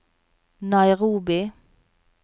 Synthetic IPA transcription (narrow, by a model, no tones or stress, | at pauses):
nɑɪʁuːbɪ